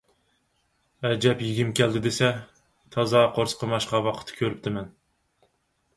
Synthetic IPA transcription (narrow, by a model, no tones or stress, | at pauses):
ɛd͡ʒɛpjɪɡʲimkʲʰæld̪ɪd̪esɛ | t̪ʰɑzɑqʰoɾsqʰəmɑʃqɑwɑqʰə̥t̪ʰːkʲʰøɾɪp̚t̪ʰɪmɛn